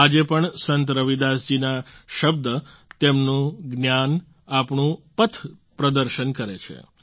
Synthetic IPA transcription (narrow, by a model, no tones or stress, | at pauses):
ad͡ʒepəɳsənt̪ɾəʋid̪asd͡ʒinaʃəb̚d̪ət̪emnũɡnjan | apɳũpət̪ʰpɾəd̪əɾʃənkəɾet͡ʃʰḛ